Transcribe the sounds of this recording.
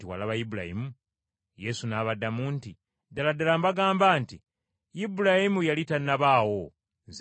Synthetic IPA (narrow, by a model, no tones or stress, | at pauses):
tiwa̰laβajibula̰jḭmu | je̞sunaːβadːamuːnti | daladalambaɡaːmbaːnti | jibulahimujalitanːaβaːwo̞ | nz